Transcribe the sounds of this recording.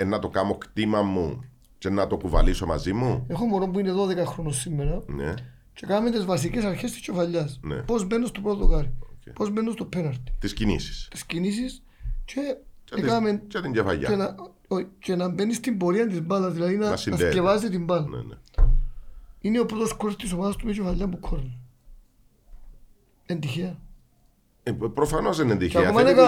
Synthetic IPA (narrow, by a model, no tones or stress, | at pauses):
enːɐt̪okɐmokt̪imɐmːu | t͡ʃenːɐt̪okuvɐ̰lisomɐ̰zimuexo̞moɾompuine̞ðo̞ðekɐxɾo̞nosːimːeɾɐnḛ | t͡ʃekɐmet̪ezvɐs̬icesɐɾçest̪i̥scefɐʎːɐsnḛpo̞zmenːost̪opɾot̪oxɐɾioepo̞zme̞nːost̪opʰːenɐɾt̪i̥t̪iscinḭsi̥st̪i̥scinisis | t͡ʃeekɐment͡ʃɐt̪iɲɟefɐ̰ʎːɐ̰enɐ | cenɐmbenːist̪imbo̞ɾiɐnd̪izmbɐlɐðilɐðinɐsiɐcevɐsit̪imbɐlɐn̰n̰ | ineopɾot̪oskoɾest̪isomɐðɐst̪umɐt͡ʃefɐʎːɐmːukʰːoɾl | end̪içiɐ | pɾofɐnosenend̪içeɐkimɐnekɐ